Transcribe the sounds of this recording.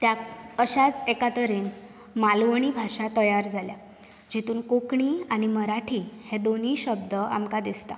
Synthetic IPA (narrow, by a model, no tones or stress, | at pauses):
t̪jaəɕat͡sekat̪əɾen | malʋəɳ̃iːbʱaʂat̪əjaɾd͡zʱalja | d͡ʑit̪uːnkokɳiːañiməɾaʈʰiːhẽd̪on̤iːɕəbd̪əa̰mkad̪ist̪a̰